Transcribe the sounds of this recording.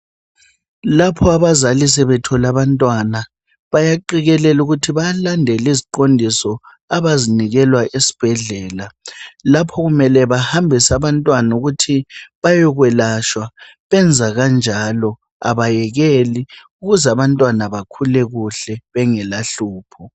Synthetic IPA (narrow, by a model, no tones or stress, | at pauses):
lapʰɔaβazalis̬ɛβɛtʰɔlaβantʼwana | βajaǃiɣɛlɛluɣutʰiβajalandʱɛliziǃondʱisɔ | aβaziniɣɛlwaʔesi̥b̥ʱɛɮɛːlalapʰɔɣumɛlɛβahambʱɛsaβantʼwanuɣutʰiβajɔɣwɛlaʃwa | βɛnd͡zʱaɣand͡ʒʱalɔ | a̰βajɛɣɛliuɣuzaβantʼwanaβakʰulɛɣuɬɛβɛŋɛlaɬuːpʰɔ